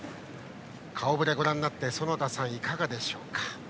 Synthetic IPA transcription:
kʰaobɯ̟ɾe̞ɡo̞ɾãnːat̪ːe̞so̞no̞t̪asãɰ̃ikaɡad̪e̞ɕo̞ːkḁ

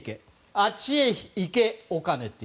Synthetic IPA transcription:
ke | at͡ʃieçikeokanet̪ːi

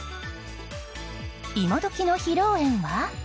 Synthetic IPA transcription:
imod̪okʲinoçiɾoːẽ̞ɰ̃βa

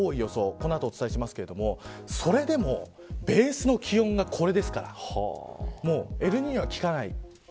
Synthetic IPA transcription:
oːijo̞so̞ko̞noat̪oːt͡sɨ̥t̪aiɕimasɨ̥ke̞ɾ̞d̪o̞mo̞so̞ɾe̞d̪e̞mo̞ | be̞ːsɨno̞kʲijõ̞ŋɡakʰo̞ɾe̞d̪e̞sɨ̥kaɾa̰ | mo̞ːe̞ɾɯ̟ɲ̟iɲ̟iβakʲi̥kanaḭ

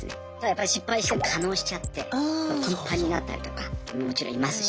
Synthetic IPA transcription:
sɨ̰nt̪ad̪ajapːaɾʲiɕipːaiɕi̥t̪emokʰano̞ːɕi̥t͡ɕat̪ːe̞̰kʰõmpʰaɲ̟iːina̰t̪ːa̰ɾḭt̪o̞̥kammo̞t͡ɕiɾõimasɨ̥

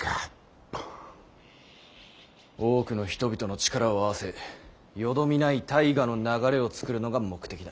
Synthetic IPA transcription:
ka | oːkɯ̟no̞çi̥t̪o̞bʲit̪o̞no̞t͡ɕi̥kaɾao̞aβase̞ | jo̞d̪o̞mʲinait̪aiɡano̞naɡaɾe̞o̞t͡sɨ̥kɯ̟ɾɯ̟no̞ɡamo̞kɯ̟̥t̪e̞kʲid̪a

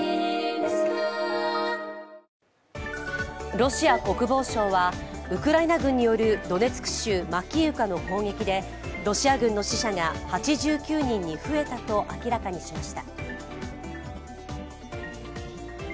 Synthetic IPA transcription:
ɾo̞ɕiako̞kɯ̟bo̞ːɕõ̞ːβaɯ̟kɯ̟ɾainaɡɯ̟̃ɲ̟ːijo̞ɾɯ̟d̪o̞ne̞t͡sɨ̥kɯ̟̥ɕɨːmakʲiɯ̟kano̞ko̞ːŋɡe̞kʲid̪e̞ | ɾo̞ɕiaɡɯ̟̃nːo̞ɕiɕaŋahat͡ɕiʑɨːkʲɨːɲ̟ĩɲ̟ːiɸɯ̟e̞t̪at̪o̞ʔakʲiɾakaɲ̟iɕimaɕi̥t̪a

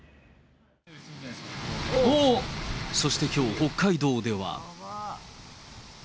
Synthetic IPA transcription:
so̞ɕi̥t̪e̞kʲo̞ːho̞kːaid̪o̞ːd̪e̞βa̰

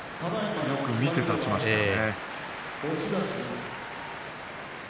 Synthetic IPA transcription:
t̪ad̪aiajo̞kɯ̟mʲie̞t̪at͡ɕimaɕane | oɕid̪aɕi

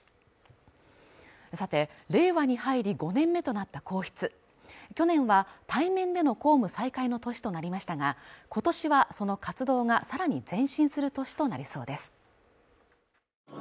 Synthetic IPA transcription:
sat̪e̞ɾe̞ːβaɲ̟ihaiɾʲiɡo̞nẽ̞mːe̞t̪o̞nat̪ːako̞ːçi̥t͡sɨ | kʲo̞nẽ̞ɰ̃βat̪aimẽ̞nd̪e̞no̞ko̞ːmɯ̟saikaino̞t̪o̞ɕi̥t̪o̞naɾʲimaɕi̥t̪aɡako̞t̪o̞ɕiβaso̞no̞kat͡sɨd̪o̞ːɡasaɾaɲ̟id͡zẽ̞ɰ̃ɕĩɰ̃sɨɾɯ̟t̪o̞ɕi̥t̪o̞naɾʲiso̞ːd̪e̞sɨ̥

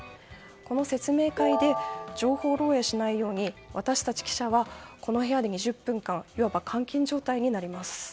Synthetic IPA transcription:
ko̞no̞se̞t͡sɨme̞ːkaid̪e̞d͡ʑo̞ːho̞ːɾo̞ːe̞ɕinaijo̞ːɲ̟iβat̪aɕi̥t̪at͡ɕi̥kʲi̥ɕaβako̞no̞ɦe̞ad̪e̞ɲ̟iʑɨpːɯ̟̃ŋkãŋiβabakʰãŋkʲĩɲ̟d͡ʑo̞ːt̪aiɲ̟inaɾʲimasɨ̥

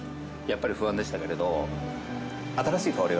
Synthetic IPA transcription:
japːaɾʲiɸɯ̟βãnd̪ei̥t̪ake̞ɾe̞d̪o̞ | at̪aɾaɕiːk̪aaɾʲi

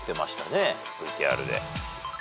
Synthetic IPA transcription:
t̪ːe̞maɕi̥t̪ane̞ | bɯ̟it̪ʲia̰ɾɯ̟d̪e̞̰

